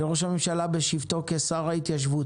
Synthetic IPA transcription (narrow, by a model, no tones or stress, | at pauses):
eʁo̞ʃhamemʃalabeʃivt̪o̞kesaʁhait̪jaʃ̬vut